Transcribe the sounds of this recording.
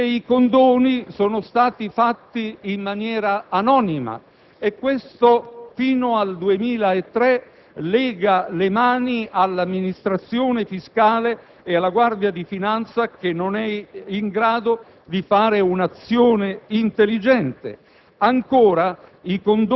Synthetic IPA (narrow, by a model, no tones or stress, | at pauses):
eikond̪oːnisoːnʊst̪aːt̪ifat̪ːiːmːanjɛːɾaːnɔnima̰ | ekːwest̪ofiːnoald̪uemiːlaet̪ːɾɛ | lɛːɡalemaːnialːamːinist̪ɾat̪sːjoːnefiskaːleː | alːaɡward̪jad̪ifinant̪sak̟enːonɛiŋɡɾaːd̪o | d̪ifaːɾeunat̪sːjoːneint̪elːid͡ʒɛnt̪ḛ | aŋkoːɾaikond̪